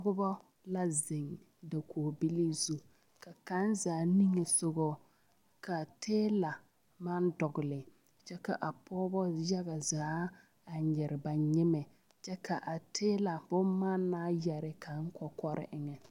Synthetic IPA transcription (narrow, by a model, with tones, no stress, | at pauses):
ɡʊ˦bɔ˦ | la˦zɪ˨ŋ | da˨kʰoː˨bi˦li˦zu˦ | ka˨ka˦nzaː˨˦ni˦ŋe˨sʊ˦ɡo˦ | ka˨tʰeː˦la˨ | ma˦ndɔ˨ɣʊ˨lɪ˨ | t͡ʃɛ˦ka̰˨ʔa˨pʰɔː˦bɔ˦jɛ˦ɣa˨zaː˨˦ | a˨ɲɛ˨ɾɪ˨ba˨ɲɪ˦mɛ˨ | t͡ʃɛ˦kʰa˨ʔa˨tʰeː˦la˨bʊ˦m˦maː˦nːaː˦jɛ˨ɾɪ˨ka˨ŋ̩˦kɔ˨kɔ˦ɾɪ̰˦ʔɪ˦ŋɛ˨